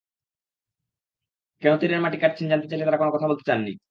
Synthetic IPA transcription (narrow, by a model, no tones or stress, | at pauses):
kɛnot̪iɾeɾmaʈikaʈ̚t͡ɕʰind͡ʑant̪et͡ɕajlet̪aɾakonokɔt̪ʰabolt̪et͡ɕanːḭ